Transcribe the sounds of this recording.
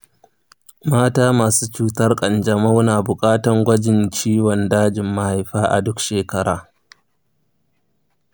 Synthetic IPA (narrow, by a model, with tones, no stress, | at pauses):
maː˦taː˦maː˨suː˦t͡ʃuː˦tɐ˦rkʼɐ˨nd͡ʒɐ˨ma˦wnaː˨bʊ˨kʼaː˦tɐ˨ŋɡʷɐ˦d͡ʒɪ˨nt͡ʃiː˦wɔ˨ndaː˦d͡ʒɪ˨mːa˦ha˨jɸaː˦ʔa̰˨dʊ˦kʃeː˨kɐ˦ɽa̰ː˨